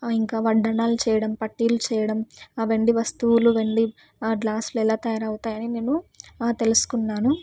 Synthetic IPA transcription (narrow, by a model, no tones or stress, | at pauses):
iŋkaːʋɐɖɐnaːlut͡ʃɛːjɐɽɐmpɐʈːiːlut͡ʃɛːjɐɽɐmaʋeɳɖiʋɐst̪uwuluʋeɳɖiː | ɡlaːsluɛlaːt̪ɐjaːɾɐwut̪aːjɐnine̞ːnut̪e̞lusu̥kunːaːnu